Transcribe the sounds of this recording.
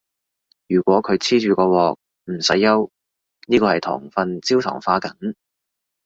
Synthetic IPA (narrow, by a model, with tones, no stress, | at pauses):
jyː˨˩kʷɔː˨˥kʰɵ˨˧ɥt͡sʰiː˥t͡ʃyː˨kɔː˧wɔː˨k̚ | m̩˨˩sɐ˨˥jːɐ˥w | niː˥kɔː˧hɐ˨jt̪ʰɔ̰ː˨˩ŋfɐ˨˧nt͡siː˥wt̪ʰɔ̰ː˨˩ŋfaː˧kɐ˨˥ŋ